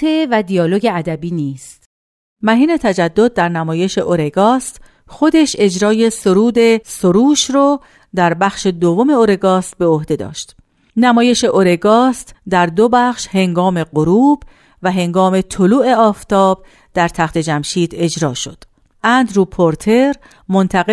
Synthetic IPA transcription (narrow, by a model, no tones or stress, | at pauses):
evæd̪ijɒːloɟeæd̪æbiːniːst̪ | mæɦiːne̞t̪ʰæd͡ʒæd̪ːo̞d̪̚ːæɾnæmɒːje̞ʃe̞ʔoɾe̞ɡɒːst̪ | xo̞d̪e̞ʃe̞d͡ʒɾɒːje̞soɾuːd̪e̞soɾuːʃɾɔ | d̪æɾbæxʃe̞d̪ovːo̞me̞oɾe̞ɡɒːst̪̚be̞ohd̪e̞d̪ɒ̰ːʃt̪ | næmɒːje̞ʃe̞ʔoɾe̞ɡɒːst̪d̪æɾd̪obæxʃhe̞ŋɡɒːme̞ɢoɾuːb | væɦe̞ŋɡɒːme̞t̪ʰoluːʔe̞ɒːft̪ʰɒːb̥̚ | d̪æɾt̪ʰæxt̪ʰe̞d͡ʒæmʃiːd̪e̞d͡ʒɾɒːʃo̞̰d̪̥ | ʔænd̪ɾupʰoɾt̪ʰe̞ɾ | mo̞nt̪ʰæɣe